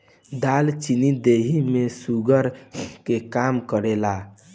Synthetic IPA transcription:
d̪alt͡ʃinid̪eɦimesuɡəɾkekamkəɾɛla

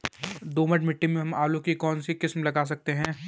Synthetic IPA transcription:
d̪oːmɐʈmɪʈːimẽɦɐmaːlõkikɔːnsiqɪsmlɐɡaːs̬ɐk̚t̪eɦɛ̃ː

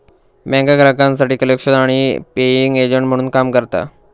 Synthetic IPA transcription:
mɛ̃ŋɡaɡɾakãnsaʈiːkəlekʂənaɽ̃ipejiŋɡed͡ʑəɳʈm̤əɽ̃uːnkamkəɾt̪a̰

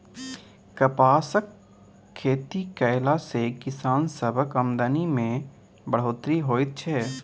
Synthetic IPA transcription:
kəpaːsəkʰː | eːt̪ikəɪlasekɪsaːnsəbʱəkəmd̪ənimẽ | bəɽ̤oːt̪ɾiɦoːɪt̪̚t͡ʃʰɛː

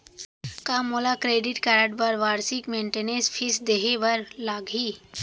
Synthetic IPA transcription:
kaːmoːlakɾeːɖɪʈkɛɾəʈbəɾʋaːɾsɪkmẽːɳʈeːnespʰɪsd̪eɦeʋɐɾlaːɡiː

